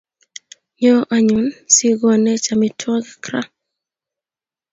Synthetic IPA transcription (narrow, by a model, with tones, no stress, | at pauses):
ɲɔ˦ʔa˨ɲu˨nsi˦ɡɔ˨nɛ˦t͡ʃa˨mɪ˨tʰwɔ˦ɡkɾa˦